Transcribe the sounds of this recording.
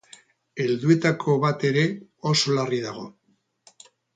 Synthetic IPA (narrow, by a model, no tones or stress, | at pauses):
e̞ld̪ue̞t̪akʰo̞βat̪e̞ɾe̞o̞solarið̞aɣ̞o̞̰